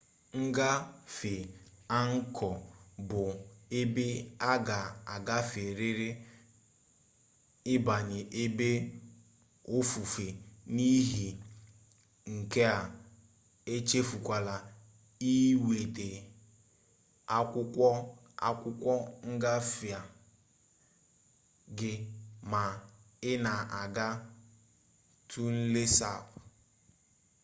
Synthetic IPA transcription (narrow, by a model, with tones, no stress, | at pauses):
ŋ̩˦ɡa˦fe˨a˦ŋ̩˦kʰɔ˨bʊ˨e˦be˦a˦ɡa˨a˨ɡa˦fe˨ɾe˦ɾe˦ | ɪ˦ba˨ɲɪ˨ʔe˦be˦ | o˦fu˨fe˨ni˦ɦi˨ | ŋ̩˨ke˦a˨ | e˦t͡ʃe˦fu˨kʷa˨la˨ | i˦we˨te˨ | a˦ | a̰˦kʷʊ˦kʷɔ˦ŋ̩˦ɡa˦fi˨a˨ | ɡɪ˨ma˨ | ɪ˦na˨ʔa˨ɡa˦ | tʰu˦n̩˦le˦sa̰˨p